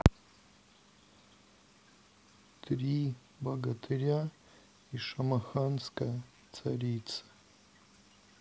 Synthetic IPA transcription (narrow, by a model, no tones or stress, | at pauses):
t̪ʰrʲi | bɐɡɐt̪ʰɨɾʲa | iʂɐmɐxanskɐ | tt͡sʰaɾʲitt͡sɨ̥